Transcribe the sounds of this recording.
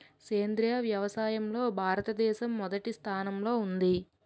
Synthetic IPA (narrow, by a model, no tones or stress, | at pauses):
keːnd̪ɾijaʋjɐʋɐsaːjɐmlo̞ːbʱaːɾɐt̪ɐd̪ɛːʃɐmːɔd̪ɐʈist̪ʰaːnɐmlo̞ːund̪i